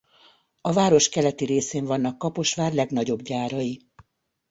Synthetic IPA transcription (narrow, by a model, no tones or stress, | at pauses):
ɒvaːɾo̞ʃkɛlɛt̪iɾeːseːɱvɒn̪ːɒkːɒpo̞ʃʋaːrlɛɡnɒɟo̞bɟaːɾɒji